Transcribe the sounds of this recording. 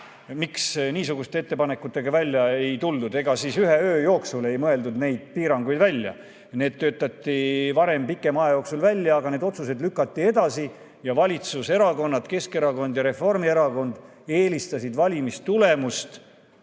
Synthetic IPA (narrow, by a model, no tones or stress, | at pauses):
miksniːsuɡ̥ust̪eet̪ːe̞pɑne̞kːˑut̪ːˑe̞ɡ̥ɑvælʲːjɑe̞jt̪uld̪ud̪e̞ɡ̥ɑsisyɦeøːjo̞ːksule̞jmɤe̞ld̪ud̪ne̞jd̪̥̚piːɾɑŋɡ̥ujd̪vælʲːjɑ̰ | ne̞ːd̪t̪ːø̞ːt̪ːˑɑt̪ːˑivɑɾe̞mpikːˑe̞mɑjɑjo̞ːksulvælʲːjɑːɡɑne̞d̪o̞t̪suse̞d̪lykːˑɑt̪ːie̞d̪̥ɑsi | jɑvɑlʲit̪suse̞ɾɑko̞nːɑt̪ke̞ske̞ɾɑko̞nd̪jɑɾe̞fo̞rmie̞ɾɑko̞nd̪ | e̞ːlist̪ɑsid̪vɑlʲimist̪t̪ule̞must̪